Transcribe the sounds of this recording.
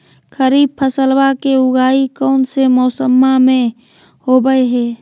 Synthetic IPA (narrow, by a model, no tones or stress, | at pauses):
kʰəɾiːb̚pʰəsəlwakeʊɡʱaːikɔːnsemɔːsəmːamẽ | hobəeɦɛː